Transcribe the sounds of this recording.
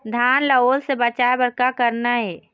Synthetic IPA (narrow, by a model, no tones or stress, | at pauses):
d̪ʱaːnləoːlsebət͡ʃaːebəɾkakəɾnaɦeː